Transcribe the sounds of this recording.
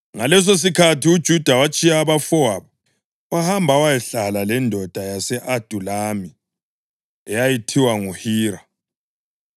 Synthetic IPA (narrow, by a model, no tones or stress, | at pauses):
ŋalɛs̬os̬ikʰatʰiud̥ʒ̥ʱud̥ʱawat͡ʃʼijaːβafɔaβɔ | wahambʱawajɛɬalalɛndʱɔd̥ʱajasɛʔad̥ʱulami | ɛjajitʰiwaŋuhiːɾa